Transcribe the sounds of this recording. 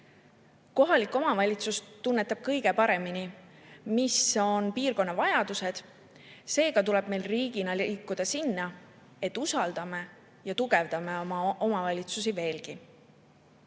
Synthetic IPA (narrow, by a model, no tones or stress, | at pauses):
ko̞ɦɑlikːˑo̞mɑvɑlʲit̪sust̪unːet̪ːˑɑb̥̚kɤjɡe̞pɑɾe̞minimiso̞npiːrko̞nːɑvɑjɑd̪̥use̞d̪̥ | se̞ːɡ̥ɑt̪ule̞b̥me̞jlriːɡ̥inɑliːkːˑud̪̥ɑsinːɑ | e̞t̪ˑːusɑld̪̥ɑme̞ | jɑt̪uɡ̥e̞vd̪̥ɑmeɑʔo̞mɑvɑlʲit̪sus̬ive̞ːlɡ̥i